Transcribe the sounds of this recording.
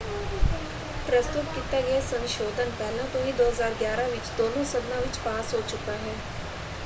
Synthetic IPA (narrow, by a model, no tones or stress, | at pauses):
pɾəst̪ʊt̪kɪt̪aːɡɛeːsə̃nʃoːd̪ənpɛːlãːt̪ʊɦĩːd̪oːɦəzaːɾɡjaːɾãːʋɪt͡ʃd̪oːnõːsəd̪nãːʋɪt͡ʃpaːsɦoːt͡ʃʊkaːɦɛː